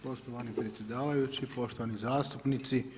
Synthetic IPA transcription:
po̞ʃt̪oʋanipɾet̪sjed̪aːʋajut͡ɕipo̞ʃt̪oanizaːst̪upnit̪si

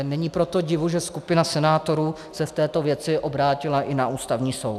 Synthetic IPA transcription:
nɛɲipɾo̞t̪o̞ɟɪvuʒɛskupɪnasɛnaːt̪o̞ɾuː | sɛft̪ɛːt̪ovjɛt͡sɪʔobɾaːcɪlaʔɪnaʔuːst̪avɲiːso̞̰wt

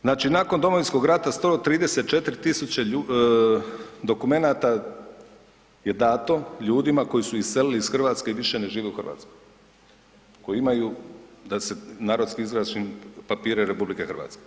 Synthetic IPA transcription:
znaːt͡ʃinaːko̞nd̪o̞moinsko̞ɡɾat̪ast̪ot̪ɾiːd̪e̞se̞t̪̚t͡ʃe̞t̪ɾit̪isut͡ɕeu | d̪o̞kume̞nat̪a | je̞d̪aːt̪o̞ʎuːd̪imakojisuisseliliisxr̩ʋaːt̪ske̞iʋiʃe̞ne̞ʒiːʋeuxr̩ʋa̰t̪skoj | ko̞jiimajud̪ase̞naːɾo̞d̪skiizɾaʃinpapiːɾeɾepublike̞xrʋa̰ːt̪ske

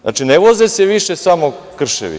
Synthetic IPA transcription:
a̰t͡ʃineʋozeseʋiʃe̞samokr̩ʃḛʋḭ

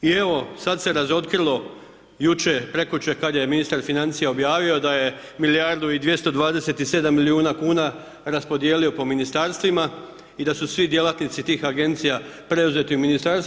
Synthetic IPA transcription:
ie̞ʋo̞sad̪se̞ɾazo̞t̪kɾilˠo̞ | jut͡ʃe̞pɾe̞kut͡ʃekad̪jeminist̪aɾfinant̪sijeo̞bjaːʋio̞d̪aje̞ | milijaɾd̪uid̪ʋje̞st̪o̞d̪ʋaːd̪e̞se̞t̪ise̞d̪amːiliuːnakuːna | ɾaspo̞d̪je̞ːlio̞po̞minist̪aːɾst̪ʋima | id̪asusʋid̪je̞lat̪nit̪sit̪iːxaɡe̞nt̪sijapɾe̞uze̞t̪iuminist̪aɾs

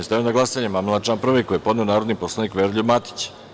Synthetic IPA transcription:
est̪aʋionaɡlasaɲemamlˠat͡ʃaːmpɾr̩ʋekːojepod̪neonaːɾod̪niposlˠaniːkʋeɾʎʲubmat̪i̥t͡ɕ

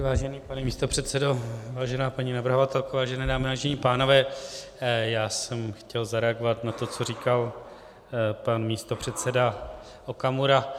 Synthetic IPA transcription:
vaːʒɛniːpanɛmiːst̪o̞pr̝̥ɛt̪sɛdo̞vaːʒɛnaːpaɲinavrɦo̞vat̪ɛlkovaːʒɛnɛːdaːmɪvaːʒɛɲipaːno̞vɛː | jaːsɛmxcɛlzaɾɛaɡovat̪nat̪o̞t͡so̞ɾiːkal | panmiːst̪o̞pr̥ɛt̪sɛda | okamuɾa

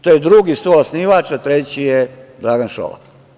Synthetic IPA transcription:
t̪oːjed̪ɾuɡisʋojosniʋat͡ʃat̪ɾet͡ɕijed̪ɾaːɡanʃo̰la̰k

